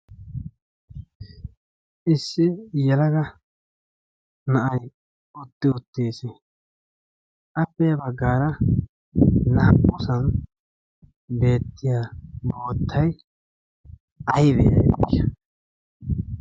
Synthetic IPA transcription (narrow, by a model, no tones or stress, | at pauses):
ʔɪsːɪjɛlɐɡɐ | nɐʔɐj | ʊt̪ːɪʊt̪ːeːsɪ | ʔɐpːɛjɐbɐɡːaːɾɐ | nɐɐʔʊsɐn | be̞ːt̪ːɪjaːbo̞ːt̪ʰːɐj | ɐjbḛːɐ̰ɪʃɐ